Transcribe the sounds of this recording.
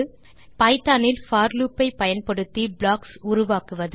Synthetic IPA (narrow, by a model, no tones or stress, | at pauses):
pɐɪt̪ːaːnɪlfaːɾluːpːɐɪpːɐjɐnpɐɽɯt̪ːibɭaːksʊɾʊʋaːkɯʋɐðɯ